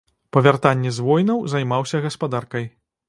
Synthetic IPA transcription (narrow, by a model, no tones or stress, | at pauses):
pɐvʲart̪anʲːɛzvɔjnɐwzɐjmawsʲɐɣɐspad̪arkɐj